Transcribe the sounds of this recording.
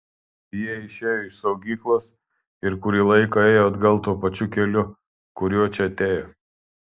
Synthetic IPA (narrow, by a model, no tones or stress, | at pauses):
jiɛɪʃʲeːjoɪʃsɐʊɡʲiːklˠoːs | ɪɾkʊɾʲiːlˠɐɪkɐeːjoːɐd̪ɡɐlˠt̪uːpɐt͡ʃʲʊkʲɛlʲʊ | kʊɾʲuɔt͡ʃʲɛɐt̪ʲeːjoː